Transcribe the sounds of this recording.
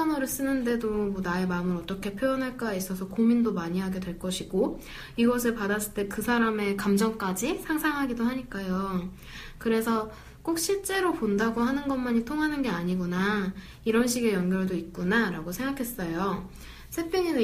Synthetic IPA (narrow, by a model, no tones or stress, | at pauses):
ʌnoɾɯɭs͈ɯnɯnde̞domʌnae̞mamɯɾʌt͈ʌkʰe̞pʰjojʌnɦaɭk͈ais͈ʌsʰʌkomindomaɲiɦaɡe̞dwe̞ɭk͈ʌɕʰiɡo | iɡʌs̬ʰeɭpadas͈ɯɭt͈e̞kɯsʰaɾame̞kamd͡ʑʌŋk͈ad͡ʑisʰaŋsʰaŋɦaɡidoɦaɲik͈ajo | kɯɾe̞sʰʌ | k͈ok̚ɕ͈ʰiɭt͡ɕ͈e̞ɾopondaɡohanɯnɡʌnmaɲitʰoŋɦanɯnɡe̞aɲiɡuna | iɾʌnɕ̬ʰiɡe̞jʌŋɡjʌɭdoit̚k͈unaɾaɡosʰe̞ŋɡakʰe̞s͈ʌjo | sʰe̞pʰiɲinɯ